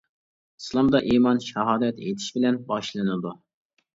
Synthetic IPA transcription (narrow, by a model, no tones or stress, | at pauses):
islˠɑmd̪ɑʔiːmɑnʃɑɦɑːd̪ɛt̪ḛt̪ʰɪ̥ʃbɪlɛnbɑʃlˠɨnɨd̪u